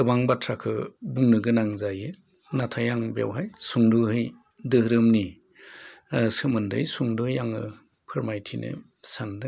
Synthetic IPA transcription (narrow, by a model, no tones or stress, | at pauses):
ɯbaŋbatʰɾakʰɯbuŋnɯɡɯnaŋzajɯ | natʰajaŋbja̰wɦajsuŋduɦɯj | dɯhɾɯmni | sɯmɯndɯjsuŋdɯɯjaŋɯ | pʰɯɾmajtʰinʔɯ̰sandɯ